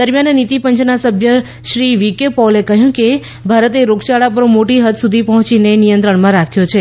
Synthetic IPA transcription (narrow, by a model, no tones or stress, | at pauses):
d̪əɾmjannit̪ipəɲt͡ʃnasəbʱjə | ʃɾiʋikepalekəɦjũke | bʱaɾət̪eɾoɡt͡ʃaɭapəɾmoʈiɦət̪sud̪ʱipɔɦɔ̃t͡ʃinenijənt̪ɾəɳmãɾakʰjot͡ʃʰe